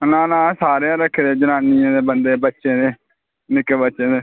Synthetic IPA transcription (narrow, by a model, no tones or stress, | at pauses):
nãːnãːsaːɾeãːɾəkʰːd̪eːd͡ʒənaːniãːd̪eːbənd̪eːbətːʃẽːd̪eː | nɪkebətːʃẽːd̪eː